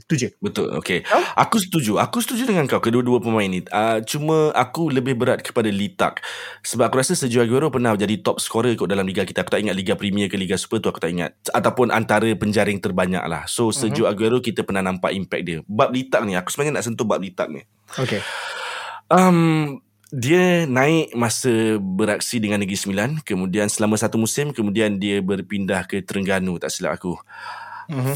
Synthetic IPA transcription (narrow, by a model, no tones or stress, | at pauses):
st̪ud͡ʒubət̪ʊ̰lo̰keʔakus̬ə̥t̪ud͡ʒuakusə̥t̪ud͡ʒudəŋankawkəduəduəpəmãɪnːĩət͡ʃumə̃akuləbɪhbəɾat̪̚kə̥padalit̪a̰k̚səbap̚akuɾasəsəd͡ʒuaɡuaɾopərnahd͡ʒadit̪ɔp̚sə̥kwaɾəikʊʔdalamliɡakit̪əaku̥t̪aʔiŋat̪̚liɡapɾimiəkəliɡasu̥pət̪uaku̥t̪aʔiŋa̰t̪̚at̪awpʊnʔa̰nt̪aɾəpəɲd͡ʒaɾɪŋt̪ərbaɲa̰k̚la̰hsosəd͡ʒoaɡuaɾokit̪əpərnahnampa̰ʔimpɛ̰k̚diəbaʔp̚lit̪ak̚niaku̥səmnaɲanaʔsənt̪ʊhbaʔ̚lit̪a̰k̚nḭ | oke | ʔəm | diənãɪʔmasəbəɾak̚sidəŋanːəɡɾisəmilankəmũdiansəlamə̃sat̪umusɪmkəmũdiandiəbərpindahkət̪əɾəŋɡanut̪a̰ʔsila̰ʔa̰ku